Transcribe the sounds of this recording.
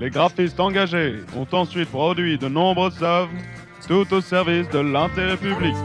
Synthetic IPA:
leɡʁafist̪ɑ̃ɡaʒeɔ̰̃t̪ɑ̃sɥit̪̚pχɔd̪ɥid̪ənɔ̃bʁəzav | t̪ut̪osɛʁvisd̪əlɛ̃t̪eʁɛpyblik

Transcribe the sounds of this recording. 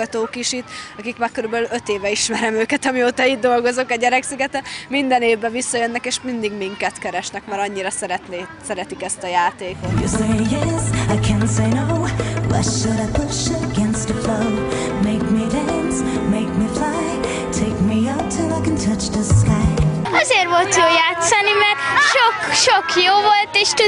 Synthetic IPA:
ɒt̪oːkiʃit̪ɒkikmaːrkøɾybɛlylø̞t̪eːvɛiʃmɛɾɛmøːkɛt̪ɒmioːt̪ɒid̪̚d̪o̞lɡo̞zokɒɟɛɾɛksiɡɛt̪ɛt̪mind̪ɛneːvbɛvisːɒjønːɛkeːʃmind̪iɡmiŋkɛt̪kɛɾɛʃnɛkmaːɾɒɲːiɾɒsɛɾɛt̪nesɛɾɛt̪ikɛst̪ɒjaːt̪eːkot̪jɨ̰seɪjɛsaɪkʰæ̃nseɪnoʊlɛ̰tʃɨɾaɪbʊʃəəɡɛ̃nst̪əfloʊ | meɪk̚midæ̃ | ns | meɪk̚miflaɪ | tʰeɪk̚miʌp̚tʰɪlˠaɪkɨ̃ntʰʌt͡ʃðəskaɪ | ɒzeːrvolt̪joːjaːt̪sɒnimɛrt̪ʃokʃokjoːvolt̪eːʃt̪u

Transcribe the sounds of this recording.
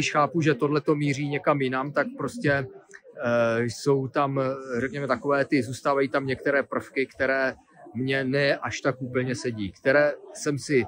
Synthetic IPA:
ɪʃxaːpuʒɛt̪o̞dlɛt̪o̞miːr̝iːɲɛkamjɪnamt̪ak̚pɾo̞scɛ | jso̞wt̪amrɛkɲɛmɛt̪ako̞vɛːt̪ɪzuːst̪aːvajiːt̪amɲɛkt̪ɛɾɛːpr̩fkɪkt̪ɛɾɛː | mɲɛnɛʔaʃt̪akʔuːpl̩ɲɛsɛɟiːkt̪ɛɾɛːsɛmsɪ

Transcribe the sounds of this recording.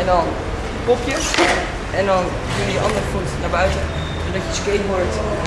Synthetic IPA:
ɛndɑn | kɔpjə | ɛndɑn | kəməəʔɑndəɹəfutnaːɹbœɥtə | zoɹdɑjəskejnʋɔɹt

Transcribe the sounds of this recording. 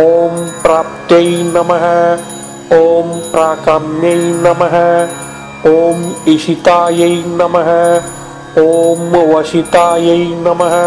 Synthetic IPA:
oːmpɾaːp̚t̪jɐjnɐmɐɦɐ̆ | oːmpɾaːkɐmjɐjnɐmɐɦɐ | oːmiʃit̪aːjɐjnɐmɐɦɐ | oːmʋɐʃit̪aːjɐjnɐmɐɦɐ

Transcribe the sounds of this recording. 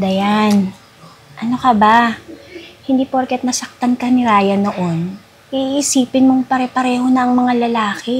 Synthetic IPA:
d̪ɐjan | ʔɐno̞kɐba | hɪnd̪iːpoɾkɛt̪̚nɐsɐk̚t̪ankɐnɪɾaːjɐnoʔon | ʔiʔiʔːsiːpɪnmoŋpɐɾɛpɐɾɛːho̞nɐʔːŋmɐŋalɐlaːkɪ

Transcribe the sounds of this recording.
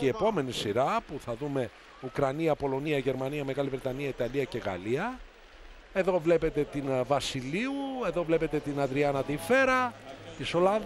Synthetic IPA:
ie̞po̞me̞nisiɾɐpuθɐðume̞ | ukɾɐniɐpo̞lo̞niɐʝe̞ɾmɐniɐme̞ɣɐlivɾet̪ɐniɐit̪ɐliɐce̞ɣɐ̰liɐ | eðo̞vle̞pe̞t̪e̞t̪invɐsiliue̞ðo̞vle̞pe̞t̪e̞t̪inɐðɾiɐnɐt̪ife̞ɾɐt̪iso̞lɐnð

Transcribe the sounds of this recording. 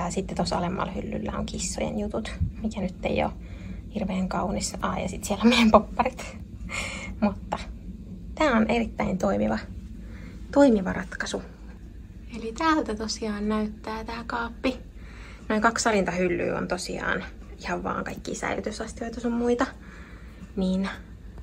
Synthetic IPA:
ɑsit̪ːet̪osɑ̰lemːɑ̰lhylːy̰lːæ̰o̰ŋkisːo̰jḛnjut̪ut̪mikænyt̪ːḛio̰hirʋeːŋkɑunisɑːjɑ̰sit̪sielomejempopːɑrit̪ | mut̪ːɑ | t̪æːonʔerit̪ːæint̪oimiʋɑ | t̪oimiʋɑrɑt̪kɑsu | elit̪æːlt̪æt̪osiɑːnnæyt̪ːæːt̪æːkɑːpːi | noiŋkɑksɑlint̪ɑhylːy̰ːo̰nt̪osiɑ̰ːnihɑʋʋɑ̰ːŋkɑikːḭːsæ̰ilyt̪ysɑst̪ioit̪ɑosommuit̪ɑ | niːn

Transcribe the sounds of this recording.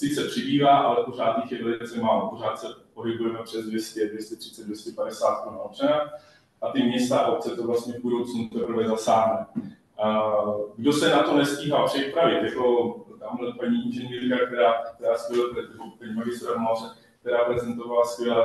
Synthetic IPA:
sɪt͡sɛpr̝̥ɪbiːvaːʔalɛpoʐ̝aːt̪jɪxjɛvɛlɪɪt͡sɛmaːlopor̝aːt̪sɛpo̞ɦɪbujɛmɛpr̝̥ɛzdvjɛscɛdvjɛscɛt̪r̝̥ɪ̥tt͡sɛdvjɛscɛpadɛsaːt̪̚konaot͡ʃɛna | ʔat̪ɪmɲɛst̪aʔo̞p̚t͡sɛt̪ovlast̪ɲɛvbudo̞wt͡snut̪ɛpr̩vɛzasaːɦnɛ | ɡdo̞sɛnat̪o̞nɛsciːɦalpr̝̥ɛpɾavɪt̪jako̞t̪aːmɦlɛnpaɲiːʔɪnʒɛɲiːɾkak̚t̪ɛɾaːk̚t̪ɛɾaːskvɛlɛp̪ɾɛt̪ɪut̪ɛɲmaɡɪst̪ɾaɾmarɛ | k̚t̪ɛɾaːpɾɛzɛnt̪o̞valaskvʲjɛlaː

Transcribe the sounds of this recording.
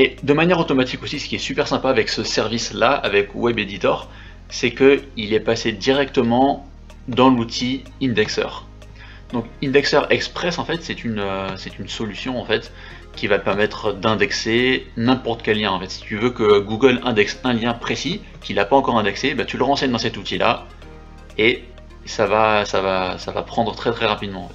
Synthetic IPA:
ed̪əmanjɛʁot̪ɔmat̪ikosisə̥kʲiɛsypɛʁsɛ̃paːvɛksəsɛʁvislaa̰vɛkwɛbed̪it̪ɔːʁ | sɛkəilɛpased̪iʁɛkt̪əmɑ̃ | d̪ɑ̃lut̪ʰi | ĩnd̪ɛksœ̰ːʁ | d̪ɔ̃kĩnd̪ɛksœʁɛkspχɛsɑ̃fɛt̪sɛt̪ynøsɛt̪ynsɔlysjɔ̃ɑ̃fɛt̪ | kʲivaəpɛʁmɛt̪χd̪ɛ̃d̪ɛksenɛ̃pɔʁt̪ə̥kʲɛlːjɛ̃ɑ̃fɛt̪si̥t̪yvøkəɡuɡəlɛ̃d̪ɛksɛ̃ljɛ̃pχesi | kʲilapaɑ̃kɔʁɛ̃d̪ɛksebat̪yləʁɑ̃sɛɲd̪ɑ̃sɛt̪ut̪ila̰ | e | savasavasava̰pχɑ̃d̪ʁət̪χɛt̪χɛʁapid̪mɑ̃ɑ̃fɛt̪

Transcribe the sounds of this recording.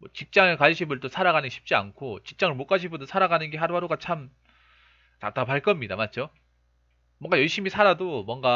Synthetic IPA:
mwʌt͡ɕik̚t͡ɕ͈aŋekaɕʰibɯɭt͈osʰaɾaɣanɯnɡeɕʰip̚t͡ɕ͈ia̰nkʰot͡ɕik̚t͡ɕ͈aŋɯɭmok͈aɕʰibɯɭtosʰaɾaɡanɯnɡeɦaɾuɦaɾuɡat͡ɕʰam | ta̰t͈apʰaɭk͈ʌmɲidamat̚d͡ʑo | mwʌŋɡajʌɭɕ͈imisʰaɾadomwʌŋɡa

